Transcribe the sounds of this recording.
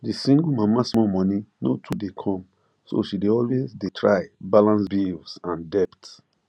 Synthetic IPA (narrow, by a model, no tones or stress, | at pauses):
disĩŋɡmamasmɔmɔ̃ninotʰudekʰɔ̃m | so̰ʃideɔlwezdetʰɹaɪbalãnsbilsãndɛpt